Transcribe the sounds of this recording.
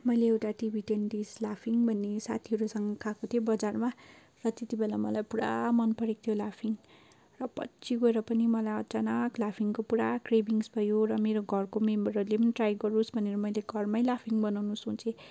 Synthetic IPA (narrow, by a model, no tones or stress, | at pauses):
mʌjleewʈaʈibʱiʈend̪islapʰiŋbʱʌnːesa̰t̪ʰiɦʌɾusʌŋɡʌkʰakot̪ʰjobʌd͡zarma | rʌt̪et̪ibelamʌlajpuɽa̰mʌnpʌɾek̚t̪ʰjolapʰiŋ | rʌpʌ̰tːsiɡoeɾʌpʌnimʌlajʌt͡sanʌklapʰiŋkopuɾakrebiŋsbʱʌjoɾʌmeɾoɡʱʌrkomembʌɾʌrlepʌniʈrajɡʌɾusbʱʌneɾʌmʌjleɡʱʌrmajlapʰiŋbʌnawnusũt͡sʰe